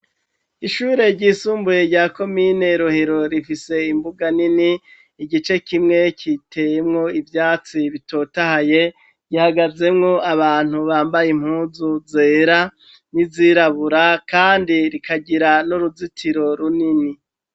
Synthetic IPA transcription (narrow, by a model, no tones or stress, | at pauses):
iʃuːɾe̞ɾɟiːsuːmbuje̞ɾɟaːko̞miːne̞ɾoheɾo̞ɾifise̞imbuɡaniniː | ɡit͡ʃe̞kimŋe̞kʰitʰe̞jemŋo̞ivjaːt͡siβito̞ːtahaje̞ | ɟ̥ihaɡaze̞mŋo̞aβaːn̥huβaːmbajem̥huːzuze̞ːɾa | niziɾaβuɾakaːndiɾikʰaɟiɾanoɾuzitʰiɾo̞ɾunini